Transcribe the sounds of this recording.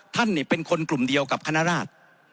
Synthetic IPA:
t̪ʰa˥˩nːi˥˩pe˧nkʰo˧nklu˨˩mdi˧əwka˨˩p̚kʰa˧naː˦˥ɾaː˥˩t̪̚

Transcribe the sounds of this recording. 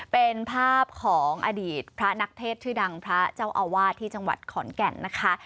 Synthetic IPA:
pe˧npʰaː˥˩p̚kʰɔː˩˦ŋʔa̰˧diː˨˩t̪̚pʰɾa˦˥na˦˥k̚t̪ʰeː˥˩t̪ʰːɯː˥˩da˧ŋpʰɾa˦˥t͡ɕa˥˩wʔa˧waː˥˩t̪ʰiː˥˩t͡ɕa˧ŋwa̰˨˩t̪̚kʰɔː˩˦nkɛ˨˩nːa˦˥kʰa˦˥

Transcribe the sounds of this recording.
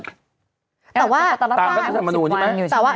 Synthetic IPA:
t̪ɛː˨˩waː˥˩t̪aː˧˥ɔ˥a˧˩sʰa˨˩ma˧nuː˧t͡ɕʰi˥˩mɛ˦t̪ɛː˨˩waː˥˩

